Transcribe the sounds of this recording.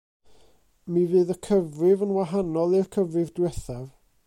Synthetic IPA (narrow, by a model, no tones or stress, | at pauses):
mivɨːðəkʰəvrɪvənwaɦanɔlˠɪrkʰəvrɪvdwɛθav